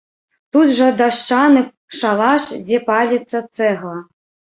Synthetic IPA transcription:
t̪ut̪ʐɐd̪aʂt͡ʂanɨ | ʂalˠaʂd͡zʲɛpalʲit̪sːɐt̪sɛɣlˠɐ

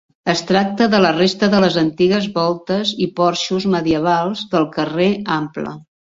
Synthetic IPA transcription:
əst̪ɾak̚t̪əðələrest̪əðələzənt̪iɣəzβɔlˠt̪əzipɔɾʃuzməðiəβ̞alˠzðəlˠkəreamplə̰

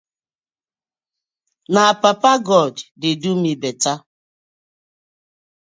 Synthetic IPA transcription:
napapaɡɔdːɪdumibeta

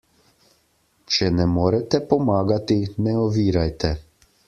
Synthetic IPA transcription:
t͡ʃɛnɛmoːɾɛt̪ɛpɔmaːɡat̪inɛɔʋiːɾajt̪ɛ

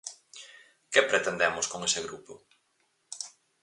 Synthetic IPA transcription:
kepɾet̪end̪ɛmʊskoŋesɪɣɾupʊ

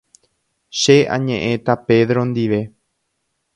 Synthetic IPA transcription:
ʃeʔã̰ɲẽʔẽt̪ape̞ðɾõnd̪iʋe̞

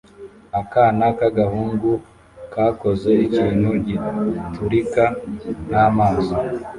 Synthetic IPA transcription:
akaːnakaɡahuːŋɡu | kaːko̞zeiciːnhuɟituɾikanamaːza

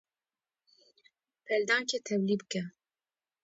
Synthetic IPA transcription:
pʰɛld̪ɑːncʰɛt̪ʰɛwlibɨkɛ

